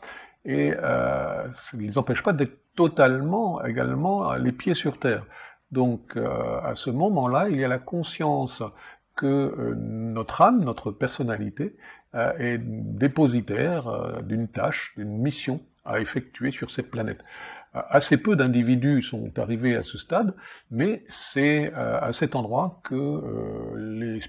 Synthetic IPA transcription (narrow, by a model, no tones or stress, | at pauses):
eø̰səlezɑ̃pɛʃpad̪ɛt̪χət̪ɔt̪almɑ̃ḛɡa̰lmɑ̰̃lepjesyʁt̪ɛːʁ | d̪ɔ̃kʰø̰a̰səmɔmɑ̃lailjalakɔ̃sjɑ̃s | kə̰ | nɔt̪χamnɔt̪χəpɛʁsɔnalit̪e | ɛd̪epozit̪ɛʁə̰d̪ynt̪a̰ʃd̪ynmisjɔ̃ | a̰efɛk̚t̪ʰɥesyʁsɛt̪̚planɛ̰t̪asepød̪ɛ̃d̪ivid̪ysɔ̰̃t̪a̰ʁivea̰səst̪ad̪mɛsɛəa̰sɛt̪ɑ̃d̪ʁwakʰə̰ | le